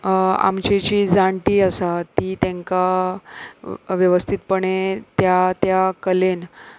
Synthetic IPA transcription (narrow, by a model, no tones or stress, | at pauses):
a̰mt͡ɕit͡ɕiːd͡zaɳʈ̪iːasat̪iːt̪ẽŋka | ʋjəʋəst̪ʰit̪pəɳet̪jat̪jakəlen